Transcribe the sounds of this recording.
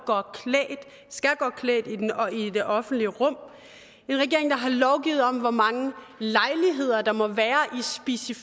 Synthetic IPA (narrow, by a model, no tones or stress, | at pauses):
ɡ̥ɶːɐkʰld̥ | sɡ̥æɡ̥ɶːɐkʰlɛ̰ːd̥iid̥e̝ʔɒ̽fn̩d̥liəʁɔ̽m̰ | e̝nʁɛɡ̥e̝ɐe̝ŋd̥ɑ̈ɦɑ̈lɒʊɡ̥ḭːʊð̩ˠɒ̽mʋɒmɑ̈ŋə | lɑ̈ɪliɦe̝ð̞̰ˠɐd̥ɑ̈mɒ̽ʋæːɐʔisb̥e̝sif